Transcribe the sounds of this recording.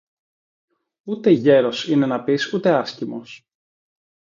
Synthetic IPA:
ut̪e̞ʝe̞ɾo̞sine̞nɐpisut̪e̞ɐscimo̞s

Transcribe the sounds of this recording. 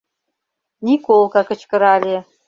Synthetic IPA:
nʲikolˠkɑkə̆t͡ɕkɤ̆ɾɑlʲe

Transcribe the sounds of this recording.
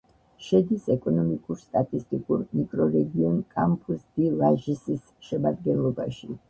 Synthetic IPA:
ʃɛd̪isɛkʼɔnɔmikʼuɾst̪ʼat̪ʼist̪ʼikʼuɾmikʼɾɔɾɛɡiɔnkʼampʰusd̪ilaʒisis | ʃɛmad̪ɡɛnlˠɔbaʃi

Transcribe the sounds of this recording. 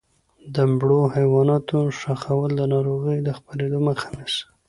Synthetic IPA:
d̪əmbɽohajwɑnɑt̪oʂaxawəld̪ənɑɾoɣəjd̪əxpaɾed̪oməxḁnis

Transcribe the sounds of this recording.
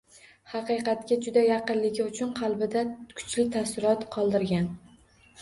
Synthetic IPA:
hɑqɨjqɑt̪kʲad͡ʒʊd̪ajɑqɨnlɪɡʲɪʊt͡ʃʰʊnqʰɑlˠbɪd̪akʰʊ̥t͡ʃlɪt̪ʰasɪɾɒt̪qʰɒlˠd̪ɪɾɡʲan

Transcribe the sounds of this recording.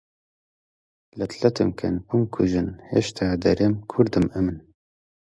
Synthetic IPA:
lɛt̪ʰlɛt̪ɨmkʰɛ̰numkʰuʒɨnhḛʃt̪ʰaːd̪ɛɾemkʰuɾd̪ɨmɨmɨn

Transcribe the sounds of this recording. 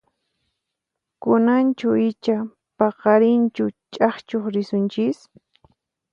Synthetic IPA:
kʊnant͡ʃʊɪt͡ʃa | pɑqɑɾɪnt͡ʃʊt͡ʃʼɑχt͡ʃoχɾɪsʊnt͡ʃɪs

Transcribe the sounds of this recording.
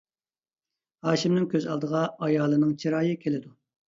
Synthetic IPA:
hɑːʃimnɪŋkʲʰøzɑlˠd̪əʁɑɑjɑːlˠɨnɨŋt͡ʃʰiɾɑːjɨkʲʰelɪd̪u

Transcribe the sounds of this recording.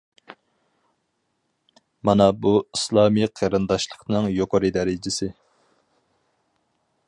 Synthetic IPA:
mɑnɑbuislˠɑːmiqʰeɾɨnd̪ɑʃlˠəqnɨŋjoqoɾɨd̪ɛɾɪd͡ʒɪsɪ

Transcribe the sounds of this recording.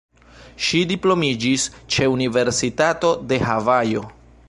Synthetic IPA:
ʃidiplo̞mid͡ʒist͡ʃe̞unive̞ɾsitato̞de̞ɦavajo̞

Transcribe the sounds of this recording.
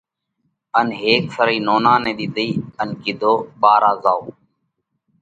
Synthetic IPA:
ənɦeːksəɾiːnoːnãːnẽːɗ̪iːɗ̪əiːənkɪd̪ʱoːɓaːɾaːzaːoː

